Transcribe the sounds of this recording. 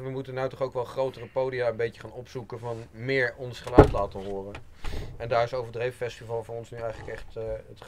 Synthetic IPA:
ʋəmutənɑwtɔχowkʋɛlˠχrowtərəpowdijaːəmbejəχaːnɔpsukəvɑnmɪːɹɔnsχəlœɥtlaːtənɦʊːrən | ɛndaːɹɪsowvəɹdrejfəfɛstivɑlˠvʊːrɔnsnyɛjχələkɛχtət

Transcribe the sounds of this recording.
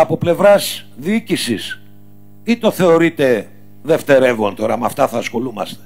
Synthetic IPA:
ɐpo̞ple̞vɾɐz | ðiicisis | it̪o̞θe̞o̞ɾit̪e̞ | ðe̞ft̪e̞ɾe̞vo̞nt̪o̞ɾɐmɐft̪ɐθɐsxo̞lumɐ̰st̪e̥

